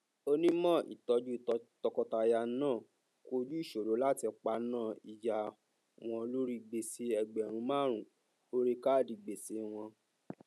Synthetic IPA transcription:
o˧nĩ˦mɔ̃˦˨ʔḭ˨tɔ˧d͡ʒu˦i˦˨˧tɔ˧kɔ˧ta˧ja˧˦nãː˦˨ | ko˦d͡ʒu˦i˦˨ʃo˨ɾo˨˦la˦ti˧k͡pa˧nãː˦˨i˨ja˨ | w̃ɔ̃˧lo˦ɾi˦ɡ͡be˨se˧ɛ˨ɡ͡bɛ˨ɾ̃ũ˧˦mãː˦ɾ̃ũ˨ | o˦ɾi˦ka˦˨di˨ɡ͡be˨se˧w̃ɔ̃˧

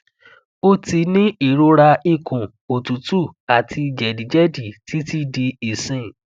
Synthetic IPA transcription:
o˦ti˧nĩ˦i˦˨ɾo˧˦ɾa˧i˦˨kʰũ˨ | o˨tu˨˦tu˦˨a˨tʰi˧i˨d͡ʒɛ˨di˨d͡ʒɛ˦di˨ti˦ti˦di˧i˨sĩ˦˨

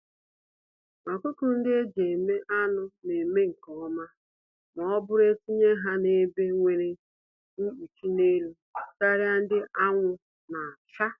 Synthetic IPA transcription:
ma˨kʊ˦kʊ˨n̩˦dɪ˦e˦d͡ʒe˨e˨me˦ʔa˦nʊ˦ne˨me˦ŋ̩˨kɔ˨ɔ˦ma˦ | mɔ˨ɔ˦bʊ˦ɾe˦ti˦ɲe˦ɦa˦ne˦be˦ŋʷe˨ɾe˦ | ŋ̩˦u˨t͡ʃi˦ne˦lu˦ | ka˦ɾɪ˦a˦n̩˦dɪ˦ʔa˦ŋʷʊ˦ | na˨a˨t͡ʃa˦

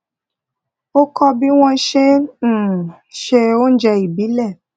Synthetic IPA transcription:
o˦kɔ˧bi˦w̃ɔ̃˦ʃẽ˦˨ | ʃe˧o˦n̩˦d͡ʒɛ˧i˨bi˨˦lɛ˦˨

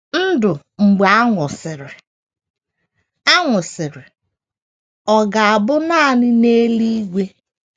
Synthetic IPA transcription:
n̩˦dʊ˨ | ŋ͡m̩˨ɡ͡ba˨˦a˦ŋʷʊ˨sɪ˨ɾɪ˨ | a˦ŋʷʊ˨sɪ˨ɾɪ˨ | ɔ˨ɡa˨a˨bʊ˦na˦˨nɪ˦ne˦li˦ɡʷe˦

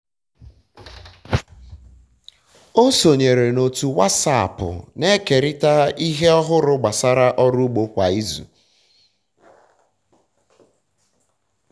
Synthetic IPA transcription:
o˦so˨ɲe˨ɾe˨no˨tu˨wa˦sa˦˨pʊ̰˨ne˦ke˨ɾɪ˦ta˦i˦ɦe˦ɔ˦ɦʊ˦ɾʊ˦ɡ͡ba˨sa˦ɾa˦ʔɔ˦ɾu˦ɡ͡bo˨kʷa˨i˦zṵ˨

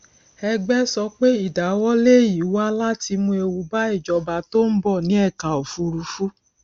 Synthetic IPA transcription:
ɛ˧ɡ͡bɛ˦sɔ˧˦k͡pe˦i˦˨da˨˦wɔ˦le˦˨ji˨wu˦a˧˦la˦ti˧mũ˧e˧wu˧ba˦e˦˨d͡ʒɔ˨˦ba˧˦to˦m̩˦bɔ˦˨nĩ˨˦ɛ˦˨ka˨o˨fu˧ɾu˧fu˦

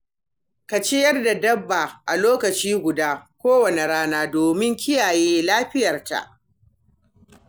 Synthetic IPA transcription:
ka˨t͡ʃe˦jɐ˦rda˨dɐ˦bːa˨ʔa˨loː˦kɐ˨t͡ʃiː˦ɡʷʊ˨daː˦kʷoː˦wɐ˨ne˨ɽaː˦naː˦doː˨mɪ˦ŋkʲɪ˦jaː˨jeː˦laː˦ɸɪ˦jɐ˨rta̰˨ʔ

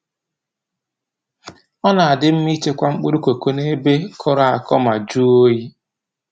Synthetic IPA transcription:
ɔ˦na˨a˨dɪ˦m̩˦mi˦t͡ʃe˦kʷa˦ŋ͡m̩˦k͡pu˦ɾu˦ko˨ko˦ne˦be˦kʰɔ˦ɾa˨a˨kɔ˦ma˨d͡ʒu˦o˦ji˦

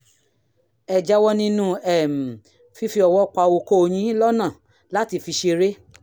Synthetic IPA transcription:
ɛ˨d͡ʒa˦wɔ˦nĩ˦nũ˦ɛ˦˨m̩˨ | fi˧fi˧ɔ˧wɔ˦˨k͡pa˧o˧ko˦o˧j̃ĩ˦lɔ˦nã˦˨ | la˦ti˧˨fi˧ʃe˧ɾe˦

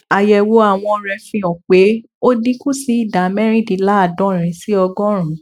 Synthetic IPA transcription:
a˨jɛ˧wo˧a˦˨w̃ɔ̃˧ɾɛ˧˦fĩ˨ɔ̃˨k͡pe˨˦ | o˦dĩ˦kũ˦si˧˦i˦˨da˨mɛ˦ɾ̃ĩ˦dĩ˨˧˦la˦a˦˨dɔ̃˨˦˨ɾ̃ĩ˨˧si˦ɔ˧ɡɔ̃˦ɾ̃ũ˨˦

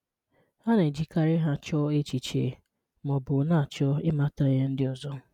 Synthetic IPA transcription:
ha˦ne˨d͡ʒi˨ka˦ɾɪ˦ɦa˦t͡ʃɔ˦e˦t͡ʃi˨t͡ʃḛ˨ | mɔ˨bʊ˨na˦˨t͡ʃɔ˦ɪ˦ma˦ta˦je˦n̩˦dɪ˦ɔ˨zɔ˦

